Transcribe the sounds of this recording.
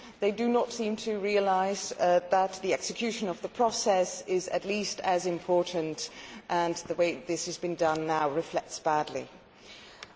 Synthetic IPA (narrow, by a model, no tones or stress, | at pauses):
ðeɪdɨnətsĩmtʰɨɹiəlaɪzðət̪̚ðiɛksɨkʰj̥ʉʃɨ̃nʌvðəpʰɹ̥ɒsɛsɪzɨ̰tˡlistɨzɨ̃mpʰɔɹʔn̩tʔə̃nðəweɪðɪshɨzbɨ̃ndʌ̃nːaʊɹɨflɛk̚tsb̥ædˡlḭ